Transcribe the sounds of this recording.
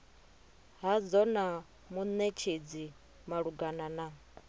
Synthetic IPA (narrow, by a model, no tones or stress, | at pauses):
ɦad͡zɔna | munet͡ʃʰed͡zi | maɺuɡanana